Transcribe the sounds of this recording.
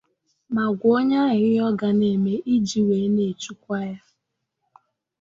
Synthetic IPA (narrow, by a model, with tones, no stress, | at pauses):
ma˨ɡʷo˦ɲa˦ɣɪ˦ɔ˦ɡa˨ne˨me˦ʔi˦d͡ʒi˨we˨˦ne˨t͡ʃu˦kʷa˦ja˦